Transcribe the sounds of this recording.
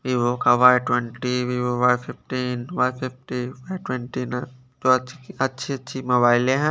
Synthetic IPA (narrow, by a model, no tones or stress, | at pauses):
ʋiʋokaʋaːjʈwɛɳʈiʋiʋoʋajpɪfʈiːnʋajpʰɪfʈiʋaʈwɛ̃ɳʈiːnã | t̪oɐtːʃʰiɐtːʃʰimobaːɪlẽɦɛ̃